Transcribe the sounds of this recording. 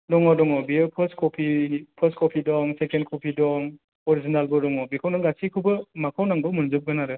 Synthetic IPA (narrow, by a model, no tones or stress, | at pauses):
dɔŋɔdɔŋɔbipʰəstkɔpʰipʰəskɔpʰidɔŋsekendkʰɔpʰidɔŋ | ɔɾizinalbɔdɔŋɔbikʰawnaɡasʰikʰubɯmakʰawnaŋbɔwmunzup̚ɡɯnaɾɯ